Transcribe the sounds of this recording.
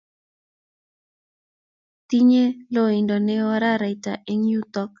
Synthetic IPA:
t̪i˦ɲe˦lo˦˨i˨ndɔ˨ne˦wɔ˦ɾa˦ɾa˨i˨ta̰˨ʔe˦ŋju˦t̪ɔ˦k̚

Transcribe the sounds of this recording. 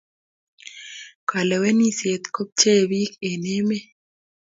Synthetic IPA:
ka˨lɛ˨we˦ni˦se˨t̪ko˦p̚t͡ʃe˦˨wi˦ke˨ne˦me˦

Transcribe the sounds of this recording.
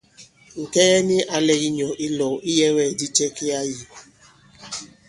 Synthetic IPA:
ŋ̩˨ke˦ɣe˦nɪ˦ʔa˦le˨ɣi˦ɲɔ˨ʔi˦lɔ˨ʔi˦je˦ŋʷe˦˨di˦t͡ʃe˦ke˦a˦ji˨

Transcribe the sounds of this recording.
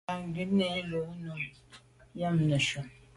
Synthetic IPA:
a˨ŋ˨ɡi˦nɛ˨˦lo˨˦no˨ | ja˦mnə˨ʃo˨m

